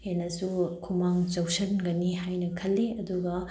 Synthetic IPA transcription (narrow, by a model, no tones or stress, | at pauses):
henɐsukʰumaŋt͡ʃɐwsɐnɡɐniɦajnɐkʰɐlːeɐduɡɐ